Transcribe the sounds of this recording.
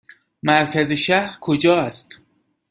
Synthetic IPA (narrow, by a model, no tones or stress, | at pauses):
mæɾcʰæzeʃæɾkʰod͡ʒɒːæst̪